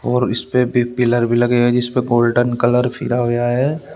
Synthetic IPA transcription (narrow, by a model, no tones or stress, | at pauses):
ɔːɾɪspebʱipɪləɾbʱilɐɡeɦɛd͡ʒɪspeɡoːlɖənkɐləɾpʰḭɾaɦojaɦɛː